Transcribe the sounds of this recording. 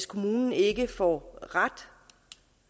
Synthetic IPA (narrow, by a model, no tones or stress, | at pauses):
skʰo̝muːnn̩e̝ɡ̥əfɒ̰ʁad̥